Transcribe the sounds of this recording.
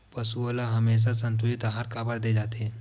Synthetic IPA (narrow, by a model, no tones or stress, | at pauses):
pɐsuolaɦɐmeːs̬asɐ̃nt̪̬ʊɪt̪aɦaːɾkaːbəɽd̪eːd͡ʒaːt̪eɦɛ̃